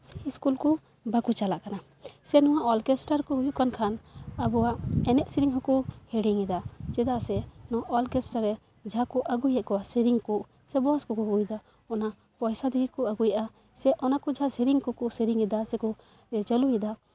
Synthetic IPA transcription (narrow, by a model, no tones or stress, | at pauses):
sɛiskulkɔ | bakut͡ʃalaʔkana | sɛnɔwaʔɔlkesʈaɾkɔɦujuʔkankʰanabɔwaʔɛnɛʔsiɾiŋɦɔkuhɛɽiŋid̪at͡ʃɛd̪asɛnɔwaʔɔlkɛsʈaɾɛ | d͡ʒʱakɔʔaɡujɛkɔwasiɾiŋkuʔ | sɛbɔaskɔkɔɦɡujd̪a | ɔna | pɔjsad̪iɡikɔaɡujaʔa | sɛʔɔnakɔd͡ʒʱasiɾiŋkɔkɔsiɾiŋid̪asɛkɔ | d͡ʒəluid̪a